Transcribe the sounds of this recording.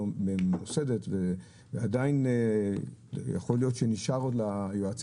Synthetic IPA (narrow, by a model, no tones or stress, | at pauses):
beose̞detve | veadain | ja̰χo̞lijo̞tʃeniʃaʁodlajoat͡s